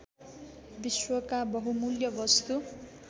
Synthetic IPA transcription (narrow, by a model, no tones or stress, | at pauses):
biswʌkabʌɦumuljʌbʌst̪u